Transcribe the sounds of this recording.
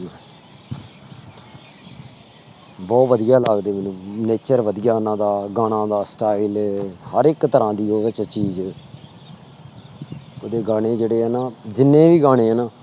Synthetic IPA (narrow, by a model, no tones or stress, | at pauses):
bɔːt̪ʋəd̪ijaːlaːɡd̪eːmɛnũːneːt͡ʃəɾʋəd̪ijaːnãːd̪aːɡaːɽ̃ãːd̪aːsʈaːiɪlɛːhəɾɪkt̪əɾãːd̪iːoːʋɪt͡ʃt͡ʃiːz | oːd̪eːɡaːɽ̃eːd͡ʒeːɽeːɦɛːnaːd͡ʒɪnːẽːʋiːɡaːɽ̃ẽːɦɛːnaː